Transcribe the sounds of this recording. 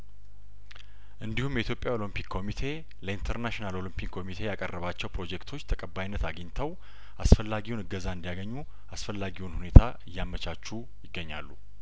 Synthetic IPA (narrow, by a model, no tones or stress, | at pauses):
ʔɨnd̪ihumjɛit̪ʰjopʼjao̞lɨmpikʰːo̞mit̪ʰe̞ | ləint̪ʰəɾnaʃinalo̞lɨmpʰikkʰːo̞mit̪ʰe̞jakʼərːəβat͡ʃːɛwpʰɾo̞d͡ʒekt̪ʰo̞t͡ʃːt̪ʰəkʼəbajnːət̪aɡəɲt̪ʰəw | ʔasfəlːaɡiwnɨɡəzaɨnd̪ijaɡəɲːu | ʔasfəlːaɡiwunhune̞t̪ʰaɨjːamət͡ʃʰat͡ʃːu | jɪɡːəɲːalːu